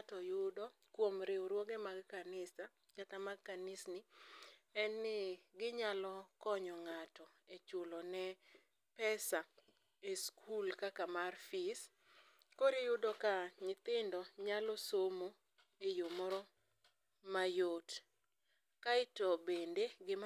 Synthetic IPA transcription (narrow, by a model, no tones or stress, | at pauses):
atɔjʊdɔ | kwomɾewɾwoɡemaɡkanɪsa | t͡ʃat̪amaɡkanɪsnɪ | ɛnːɪɡɪɲalɔkɔɲɔŋatɔet͡ʃʊlɔnɛ | pɛsa | eskʰulkakamarfɪs | koɾejʊdɔkaɲɪt̪ɪndɔɲalɔsomo | ejomɔɾɔ | majot | kaɪtɔbendeɡɪ